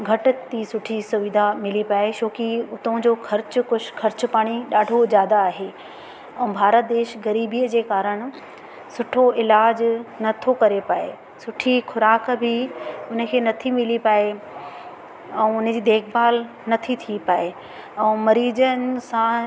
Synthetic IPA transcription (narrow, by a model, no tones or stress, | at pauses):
ɡʱɐʈʊ̆t̪isʊʈʰisʊʋɪd̪ʱamɪlipaːeʃoːkiʊt̪õd͡ʑoːxʰɐɾt͡ɕʊkʊʃkɐɾt͡ɕʊpaːɽ̃iɗaːɖʱozjaːd̪aːɦe | ɛ̃ːbʱaːɾət̪̚d̪eːʃɡɐɾiːbiːjəd͡ʑeːkaːɾəɽ̃ | sʊʈʰoɪlaːd͡ʑnɐt̪ʰokɐɾepaːḛ | sʊʈʰixʰʊɾaːkbʱɪʊnə̆kʰeːnɐt̪ʰimɪlipaːe | ɛ̃ːʊn̆d͡ʑiːd̪eːkʰbaːl | nɐt̪ʰit̪ʰipaːe | ɛ̃ːmɐɾiːd͡ʑən̆sã